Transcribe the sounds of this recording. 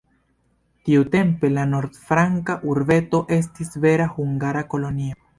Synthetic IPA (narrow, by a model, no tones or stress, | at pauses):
tiute̞mpe̞lano̞ɾd̪fɾaŋkaʔuɾve̞to̞ʔe̞s̬tisve̞ɾahuŋɡaɾako̞lo̞nio